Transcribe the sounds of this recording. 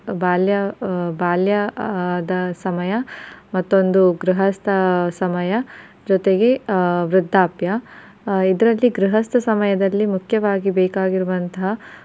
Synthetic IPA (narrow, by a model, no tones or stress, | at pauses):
baːljɐbaːljɐd̪ɐsɐmɐjɐmɐt̪ːuond̪uɡɾiɦɐst̪ʰɐsɐmɐjɐ | d͡ʒɔt̪e̞ɡe̞ʋɾɪd̪ʱːaːpjɐ | id̪ɐɾɐlːiɡɾiɦɐst̪ʰɐsɐmɐjɐd̪ɐlːimukʰjɐʋaːɡibeːkaːɡiɾuʋɐnt̪ɐɦɐ